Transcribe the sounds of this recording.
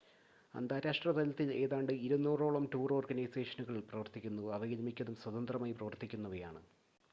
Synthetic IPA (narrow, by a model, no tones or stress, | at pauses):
ɐ̰nd̪aːɾaːʂʈrɐb̪ɐlɐt̪ːile̞ːðaːɳɖɨiɾunːuːro̞ːɭɐmʈuːro̞ːrɡɐnɐjse̞ːʂɐnuɣɐɭiɭprɐʋɐrt̪ikʲːunːuɐʋɐɣilɐmikʲːɐðumswɐðɐnd̪rɐmaːjprɐʋɐrt̪ikʲːunːɐʋɐja̰ːɳɨ